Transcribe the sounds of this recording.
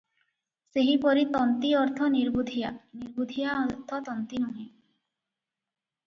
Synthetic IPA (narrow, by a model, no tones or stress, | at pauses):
seɦipɔɾit̪ɔnt̪iɔɾt̪ʰɔniɾbud̪ʱijaniɾbud̪ʱijaɔt̪ʰɔt̪ɔnt̪inɔɦĩ